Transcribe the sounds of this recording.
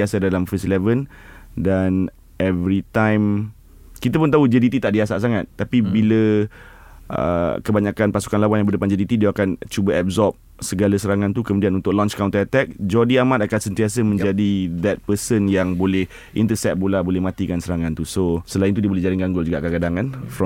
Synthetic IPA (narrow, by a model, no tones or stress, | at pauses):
asadalamfisilɛvən | dan | ɛvɾit̪ãjm | kit̪əpʊnt̪aɦud͡ʒədit̪it̪aʔdiasaʔsaŋat̪̚ːapibilə | ʔə̰kəbaɲakanpasu̥kanlawanjãbərdəpand͡ʒədit̪idiaakant͡ʃubaʔɛb̚zɔp̚ | səɡalasəɾaŋãnt̪ukəmudianunt̪ʊk̚lɔ̃nt͡ʃkawnt̪at̪ɛk̚d͡ʒɔdiamãt̪akansənt̪iasəmə̃nd͡ʒadid̪ɛt̪̚pəsənjaŋbolɛh | ḭnt̪əsɛt̪̚bolabolɛhmãt̪ikansəɾaŋãnt̪usosəlaint̪udiəbolɛhd͡ʒaɾɪŋɡaŋɡʊld͡ʒuɡaʔkakadaŋanfɔ